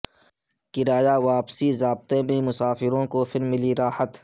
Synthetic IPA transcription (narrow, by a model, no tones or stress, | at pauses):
kɪɾaːjaʋaːpsizaːb̚t̪emẽmʊsaːfɪɾõkofɪɾmːɪliɾaːhət̪